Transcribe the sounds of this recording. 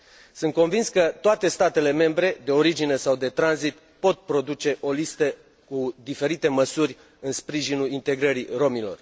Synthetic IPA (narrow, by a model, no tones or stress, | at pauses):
sɨnt̪̚ko̞nvinskət̪oat̪e̞st̪at̪e̞le̞me̞mbɾe̞d̪e̞o̞ɾid͡ʒine̞sawd̪e̞t̪ɾanzit̪ | po̞t̪̚pɾo̞d̪ut͡ʃe̞ʔo̞list̪ə | kud̪ife̞ɾit̪e̞məsurʲ | ɨnspɾiʒinulint̪e̞ɡɾəɾiro̞milo̞̰r